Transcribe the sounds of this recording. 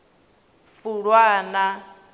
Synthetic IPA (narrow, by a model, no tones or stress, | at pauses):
fuɺwana